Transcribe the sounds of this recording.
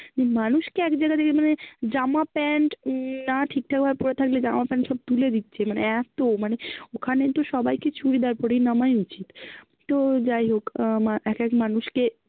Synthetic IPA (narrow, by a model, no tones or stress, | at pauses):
nimanuʃkeɛkd͡ʑajɡat̪ʰekemaned͡ʑamapɛɳʈnaʈʰik̚ʈʰak̚bʱabepɔɾet̪ʰakled͡ʑamapɛɳʈʃɔb̚t̪uled̪it̪ːɕʰemaneɛt̪omaneokʰanet̪oʃɔbajket͡ɕʰuɾid̪eaɾpɔɾejnamajut͡ɕit̪ | t̪od͡ʑajɦokmaɛkɛkmanuʃke